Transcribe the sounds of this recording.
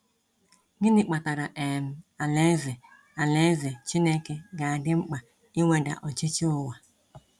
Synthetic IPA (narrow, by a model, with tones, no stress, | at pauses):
ɡɪ˦nɪ˦k͡pa˨ta˨ɾa˨ʔe˨m̩˨a˨le˦zɪ˨ | a˨le˦ze˨t͡ʃi˦ne˦ke˨ɡa˨a˨dɪ˦ŋ͡m̩˦k͡pa˨ | i˦ŋʷe˦da̰˨ʔɔ˨t͡ʃɪ˦t͡ʃɪ˦ʊ˦wa˨